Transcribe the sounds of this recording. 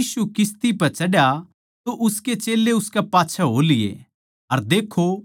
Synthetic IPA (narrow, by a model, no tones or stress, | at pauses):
iːsukɪst̪ipɐt͡ʃɐɽja | t̪oʔʊsket͡ʃeːlːeʊskepaːtːt͡ʃʰaɦoːlɪjḛ | ɐɾd̪eːkʰːo